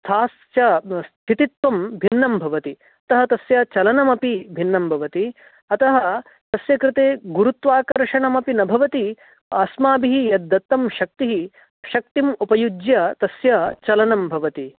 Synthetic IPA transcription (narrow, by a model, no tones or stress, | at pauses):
t̪ʰaːs | jɐst̪ʰit̪it̪ʋɐmbʱinːɐmbʱɐʋɐt̪i | ɐt̪ɐɦɐt̪ɐsjɐt͡ʃɐlɐnɐmɐpibʱinːɐmbʱɐʋɐt̪i | ɐt̪ɐɦɐ | t̪ɐsjɐkɾɪt̪eːɡuɾut̪ʋaːkɐɾʂɐɳɐmɐpinɐbʱɐʋɐt̪i | aːsmaːbiɦijɐd̪ːɐt̪ːɐmʃɐk̚t̪iɦi | ɐʃɐk̚t̪imupɐjud͡ʒjɐt̪ɐsjɐt͡ʃɐlɐnɐmbʱɐʋɐt̪i